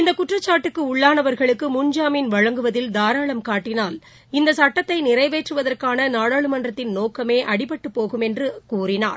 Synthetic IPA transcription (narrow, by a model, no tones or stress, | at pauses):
ɪnd̪ɐkːʊʈrɐt͡ʃːaːʈːɯkːɯʊɭːaːnɐʋɐɾɣɐɭɯkːɯmʊɲd͡ʒaːmɪnʋɐɻɐŋɡɯʋɐðɪld̪aːɾaːɭɐmkaːʈːɪnaːl | ɪnd̪ɐsɐʈːɐt̪ːɐɪnɪrɐɪʋeːʈrɯʋɐðɐrkaːnɐnaːɽaːɭɯmɐndrɐt̪ːɪnnoːkːɐmeːʔɐɽɪpːɐʈːɯpːoːɣɯmɛndrɯkuːrɪna̰ːɾ